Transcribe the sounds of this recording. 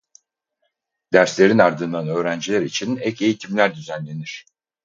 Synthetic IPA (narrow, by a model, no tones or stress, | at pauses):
d̪̥æɾslʲe̞ɾinaɾd̪ɯnd̪anø̞ːɾænd͡ʒilʲæɾit͡ʃʰinɛce̞jit̪ʰimlʲæɾd̪yzænlʲe̞niɾ̝̥